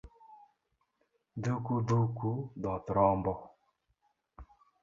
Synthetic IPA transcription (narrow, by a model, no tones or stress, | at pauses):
dukudukudɔt̪ɾɔmbɔ